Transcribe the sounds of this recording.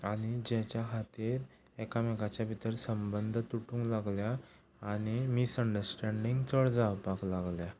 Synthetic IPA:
aɽ̃id͡ʑɛt͡ɕjakʰat̪iɾ | ɛkamɛkat͡ɕjabʱit̪əɾsəmbənd̪ʱt̪uʈũŋɡlaɡljaː | ɽ̃imisəɳɖəɾsʈɛɳɖiŋɡt͡səɭd͡zawpaklaɡlja

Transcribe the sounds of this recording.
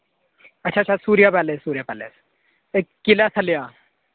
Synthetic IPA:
ɐtːʃʰaɐtːt͡ʃʰasuːɾjapɛːlessuːɾijapɛlḛːs | ekːilasʰɐlija

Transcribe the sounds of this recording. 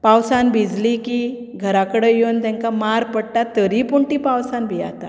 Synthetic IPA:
pawsanbʱid͡zliki | ɡʱəɾakəɽəjont̪ãŋkamaɾpəɽʈat̪əɾipuɳʈipawsanbʱija̰t̪a̰

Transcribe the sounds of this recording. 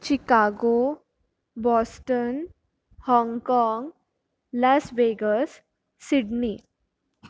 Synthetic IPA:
t͡ɕikaɡo | bɔsʈən | hɔŋɡkɔŋɡ | lasʋeɡəsː | iɖni

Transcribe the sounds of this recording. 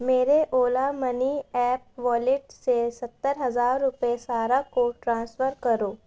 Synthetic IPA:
meːɾeʔoːlamɐniɛːp̚ʋɔːlɪʈsesɐt̪ːəɾɦɐzaːɾːʊpəesaːɾakoʈɾãːnsfəɾkɐɾoː

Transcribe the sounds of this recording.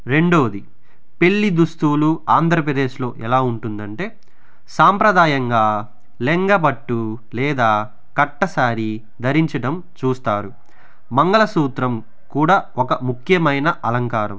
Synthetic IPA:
ɾe̞ɳɖo̞ːd̪i | pe̞ɭːid̪ust̪uːluaːnd̪ʱɾɐp̬ɾɐd̪eːʃlo̞ːʔɛlaːuɳʈund̪ɐɳʈe̞ː | saːmpɾɐd̪aːjɐŋɡaː | leŋɡɐbɐʈːu | lɛːd̪aː | kɐʈːɐsaːɾi | d̪ʱɐɾiɲt͡ʃɐʈɐm | t͡ʃuːst̪aːɾu | mɐŋɡɐɭɐsuːt̪ɾɐm | kuːɽaːɔkɐmukʰjɐmɐjnɐʔɐlɐŋkaːɾɐ̰m

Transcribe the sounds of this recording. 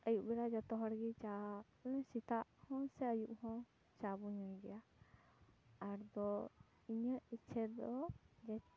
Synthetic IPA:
əjuʔbɛɽad͡ʒɔt̪ɔɦɔɽɡit͡ʃa | nɛsit̪aʔhɔ̃sɛəjuʔhɔ̃ | t͡ʃabuɲɔ̃jɡɛja | aɾd̪ɔ | iɲəʔit͡ʃʰɛɾd̪ɔd͡ʒɛ

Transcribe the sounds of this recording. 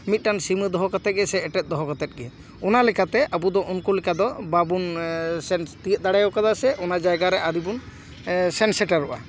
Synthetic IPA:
mit̪̚ˀʈansiməd̪ɔɦɔkat̪ɛt̪̚ɡɛsɛːʈɛt̪̚ˀd̪ɔɦɔkat̪ɛt̪̚ɡɛ | ɔnalɛkat̪ɛʔabud̪ɔʔɔnkulɛkad̪ɔbabunsɛnt̪iət̪̚d̪aɽajɔkad̪asɛʔɔnad͡ʒajɡaɾɛʔaɾibun | sɛnsɛʈaɾɔʔa̰

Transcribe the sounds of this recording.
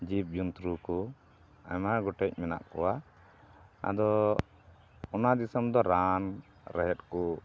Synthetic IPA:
d͡ʒip̚d͡ʒunt̪ɾukɔ | a̰maɡɔʈɛc̚mɛna̰ʔkɔwa | a̰d̪ɔ | ɔnad̪isɔmd̪ɔɾan | ɾɛɦɛt̪̚kɔ

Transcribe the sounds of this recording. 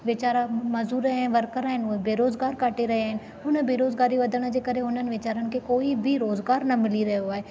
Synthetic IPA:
ʋɪt͡ɕaːɾamɐzuːɾɛ̃nʋɐɾkəɾaːɦɪnʊẽbeːɾoːzɡaːɾkaːʈeɾɐɦiaːɦɪnɪ̆ | ɦʊnə̆bʱeːɾoːzɡaːɾiʋɐd̪ʱəɽ̃ə̆d͡ʑeːkɐɾeɦʊnənɪ̆ʋɪt͡ɕaːɾənɪ̆kʰekoːibʱiɾoːzɡaːɾnɐmɪliɾɐɦijoaːɦeː

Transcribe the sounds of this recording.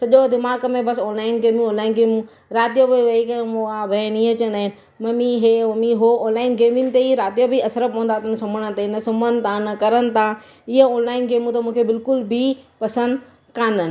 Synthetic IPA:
sɐʄod̪ɪmaːɡmẽbɐsoːnlaːɪnɡeːmũõːnlaːɪnɡeːmũ | ɾaːt̪ijəbiʋɐikɐɾemuabɐnĩət͡ɕɐ̃nd̪aːɦɪnɪ̆ | mɐmiɦeːmɐmiɦooːnlaːɪnɡeːminɪt̪eiɾaːt̪ijəbiɐsəɾəpõːnd̪aːt̪ʰənsɐməɽ̃ənt̪eɪnɐsɐmənt̪ʰãːnɐkɐɾənɪ̆t̪ʰãː | ɪɦəoːnlaːɪnɡeːmũt̪ɐmũːkʰebɪlkʊlbʱipɐsə̃nd̪ | kãːnənɪ̆

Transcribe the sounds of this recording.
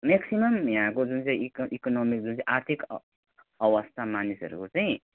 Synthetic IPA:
meksimʌmjãkod͡zunt͡saĩkʔikonomik̚d͡zunt͡sãĩʔaɾt̪ʰik | ʌwʌst̪ʰamanisʌ̰ɾṵkot͡saĩ

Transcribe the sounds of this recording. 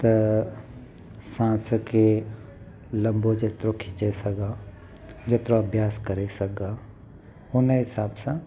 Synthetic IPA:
t̪ɐ | sãːsəke | lɐ̃mbod͡ʒɐt̪ɾokʰɪt͡ʃesɐɡaː | d͡ʒɐt̪ɾõɐbʱjaːskɐɾesɐkɡaː | ʊneɦɪsaːbsã

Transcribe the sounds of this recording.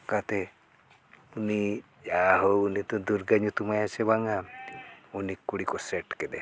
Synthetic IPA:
kat̪e | uni | d͡ʒaɦounit̪ɔd̪uɾɡaɲut̪umajat͡ʃeβaŋa | unikːuɽikɔseʈked̪e

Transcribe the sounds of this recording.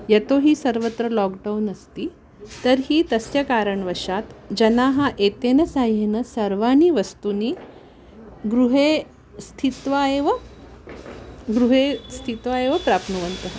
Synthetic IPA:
jet̪oɦiːsəɾʋət̪ɾəlɔk̚ɖawnəst̪iː | t̪əɾɦiːt̪əsjakaɾəɳʋəʂat̪d͡ʑənaɦaʔet̪enəsaɦenəsəɾʋañiːʋəst̪uniː | ɡɾuɦe | st̪ʰit̪ʋaeʋa | ɡɾuɦest̪ʰit̪ʋaeʋəpɾapʰnuʋənt̪əɦ

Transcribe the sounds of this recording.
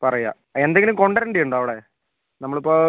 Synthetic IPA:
pɐrɐja̰ː | end̪eŋɡilumko̞ɳɖɐɾeɳɖijuɳɖoːɐʋiɽe | nɐmːɐɭipːoː

